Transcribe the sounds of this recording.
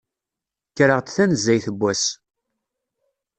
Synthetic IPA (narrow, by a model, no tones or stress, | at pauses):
çɾəʁt͡s̪θænzːæjθəbʷːæs